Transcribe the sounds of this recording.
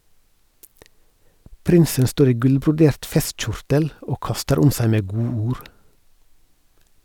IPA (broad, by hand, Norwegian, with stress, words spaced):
ˈpɾɪnsən ˈstoːɾ ˈiː ˈɡʉlbɾʊˌdeːɾt ˈfɛstˌc͡çʊɾtəl ˈoː ˈkɑstəɾ ˈʊm ˈsæɪ ˈmeː ˈɡuːuːɾ